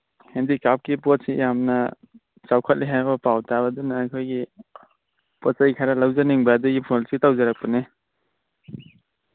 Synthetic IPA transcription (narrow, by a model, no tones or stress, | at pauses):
hendikap̚kipɔt̚sijamnɐ | t͡ʃawkʰɐt̚lʔiɦajbɐpawtʰabɐdunaːkʰojɡi | pɔt̚sajkʰaɾalawzaniŋbaduɡipʰɔsitawzaɾak̚pane